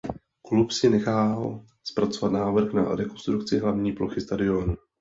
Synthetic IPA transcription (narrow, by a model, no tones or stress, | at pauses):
klupsɪnɛxaːl | spɾat͡so̞vat̪naːvr̩kna̰ɾɛko̞nst̪ɾukt͡sɪɦlavɲiːplo̞xɪst̪adɪo̞nu